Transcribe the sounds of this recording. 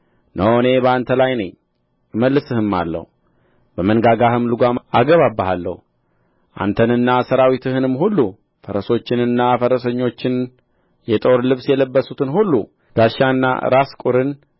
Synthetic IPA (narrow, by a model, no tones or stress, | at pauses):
nʔəwne̞bəant̪ʰəlajnəɲː | ɨməlːɨsɨhɨmːa̰lːə̰h | bəmənɡaɡahɨmlɨɡʷamʔaɡəβabːəɦalːə̰hu | ʔa̰nt̪ʰənɨnːasəɾawit̪ʰɨhɨnɨmːhulːu | fəɾəso̞t͡ʃːɪnɨnːafəɾəsəɲːo̞t͡ʃːɪn | jɛt̪ʼo̞ɾlɨβsjɛləbːəsut̪ʰɨnhulːu | ɡ̥aʃanːa̰ɨ̰ɾaskʼuɾɨn